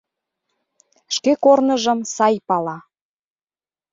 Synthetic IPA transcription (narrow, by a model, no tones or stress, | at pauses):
ʃkekornə̆ʒə̆msɑjpɑlɑ